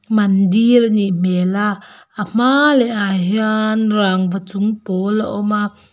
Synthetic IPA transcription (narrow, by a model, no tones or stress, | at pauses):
mɐndirniʔmɛlaʔam̥alɛʔaɦianraŋvat͡sʊŋpɔlaʔɔma